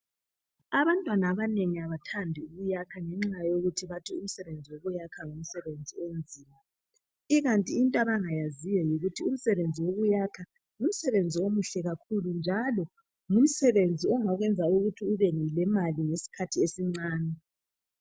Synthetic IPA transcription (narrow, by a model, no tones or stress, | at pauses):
aβantʼwanaːβaneŋiaβatʰandʱiuβujakʰaŋɛŋ͡ǁajoɣutʰiβatʰium̩sɛβend͡zʱiwoβujakʰaŋum̩sɛβend͡zʱiend͡zʱiːma | iɣantʼiːntʼaβaŋajazijɔjiɣutʰium̩sɛβend͡zʱiwoɣujakʰa | ŋum̩sɛβend͡zʱiomuɬɛɣakʰulund͡ʒʱalɔ | ŋum̩sɛβend͡zʱiɔŋaɣwɛnd͡zʱauɣutʰiuβenilɛmaliŋesi̥kʰatʰiesiŋ͡ǀaːnɛ